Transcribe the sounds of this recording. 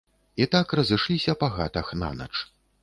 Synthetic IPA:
it̪akrɐzɨʂlʲisʲɐpaɣa̰t̪ɐxna̰nɐ̰t͡ʂ

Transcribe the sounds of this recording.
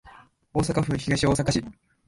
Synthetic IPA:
oːsakaɸɯ̟çiɡaɕio̞ːsakaɕi

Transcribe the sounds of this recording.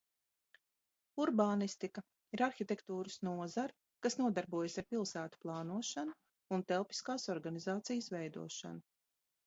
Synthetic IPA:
uɾbaːnist̪ikɐ | iɾaɾxit̪ʲekt̪uːɾɨsnuɔzaɾ | kasnuɔd̪aɾbuɔjsaɾpilˠsæːt̪u̥plˠɑːnuɔʃanu | unt̪ɛlˠpi̥skaːsɔɾɡanizaːt̪sijəsvɛjd̪ṵɔʃa̰nu

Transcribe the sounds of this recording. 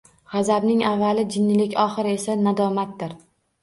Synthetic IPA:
ʁɑzabnɪŋavːalɪd͡ʒɪnːɪlɪkʲɒχɪɾɪe̞sanad̪ɒmat̪̚d̪ɪɾ

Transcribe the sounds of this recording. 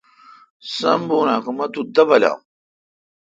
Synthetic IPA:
sɐ̰mbunakumɐt̪ud̪ɐbɐla̰

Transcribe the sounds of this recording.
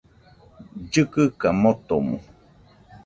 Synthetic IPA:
d͡ʒɨkɨkamot̪omṵ̃

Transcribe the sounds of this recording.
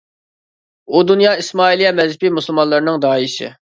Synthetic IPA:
ud̪unjɑːismɑːilˠijɛmɛzpimusulˠmɑlˠɨɾnɨŋd̪ɑːisɪ̰

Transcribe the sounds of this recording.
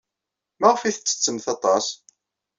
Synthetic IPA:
mæʁfiθət͡sːə̥t͡sːəmθɑt̪ˤɑs

